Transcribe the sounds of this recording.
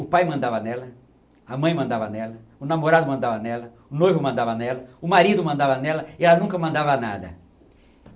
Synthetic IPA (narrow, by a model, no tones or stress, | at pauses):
ʊpajmɐ̃nd̪avɐnɛlɐ | ɐmɐ̃j̃mɐ̃nd̪avɐnɛlɐʊnamoɾad̪ʊmɐ̃nd̪avɐnɛlɐ | ʊnojvʊmɐ̃nd̪avɐnɛlɐʊmaɾid̪ʊmɐ̃nd̪avɐnɛlɐɪɛlɐnũkɐmɐ̃nd̪avɐna̰d̪ɐ̰